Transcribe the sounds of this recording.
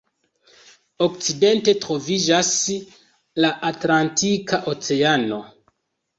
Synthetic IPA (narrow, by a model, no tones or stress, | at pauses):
o̞k̚t͡side̞nte̞tɾo̞vid͡ʒas | laʔatlantikaʔot͡se̞ano̞